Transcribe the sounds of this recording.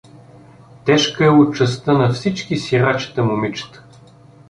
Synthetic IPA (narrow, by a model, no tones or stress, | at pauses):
t̪ɛʃkəɛʊt͡ʃəst̪ənɐfsit͡ʃkisiɾat͡ʃə̥t̪əmʊmit͡ʃə̥t̪ə̥